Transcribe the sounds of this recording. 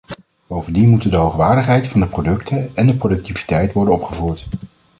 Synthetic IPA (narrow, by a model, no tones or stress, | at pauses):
b̥owvəndinmutəndəɦowχʋaːɹdəχɦɛjtfɑndəprodɵktʰəɛndəprodɵk̚tivi̥tɛjtʋɔɹdənɔpχəvuːɹt